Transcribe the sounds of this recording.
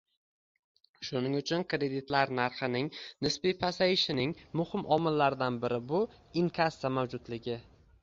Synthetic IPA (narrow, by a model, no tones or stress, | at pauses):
ʃʊnɪŋʊt͡ʃʰʊnkɾe̞d̪it̪laɾnaɾχɨnɪŋnɪspipʰasajɪʃɪnɪŋmʊhɪmʔɒmɪlːaɾd̪anbɪɾɪbʊ | ɪŋkʰasːamawd͡ʒʊd̪lɪɡʲɪ